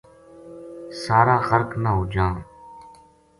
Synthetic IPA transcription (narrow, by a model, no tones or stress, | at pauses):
saːɾaːxəɾknəɦʊd͡ʒãː